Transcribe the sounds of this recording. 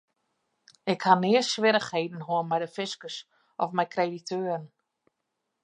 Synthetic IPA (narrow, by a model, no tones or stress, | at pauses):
ɪkhanɪəsʋɪɾəxhejdn̩ɦoənmɛjdəfɪskəs | ʔɔfmɛjkʰreditʰøːrən̩